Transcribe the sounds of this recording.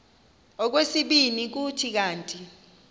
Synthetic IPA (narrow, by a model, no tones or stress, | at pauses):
ɔk̬wesiɓinik̬utʰik̬aːntʼi